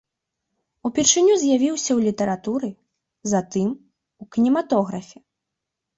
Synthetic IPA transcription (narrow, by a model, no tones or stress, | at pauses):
upʲirʂɨnʲuzʲjavʲiwsʲɐwlʲit̪ɐɾat̪uɾɨ | zat̪ɨm | ukʲinʲimat̪ɔɣɾɐfʲɛ